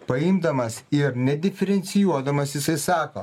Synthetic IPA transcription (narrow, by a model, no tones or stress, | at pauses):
pɐɪmd̪ɐmɐsɪɾnʲɛd̪ʲɪfʲɛɾʲɛnʲt̪sʲɪjuɔd̪ɐmɐsʲjɪsɐɪsɑːko̰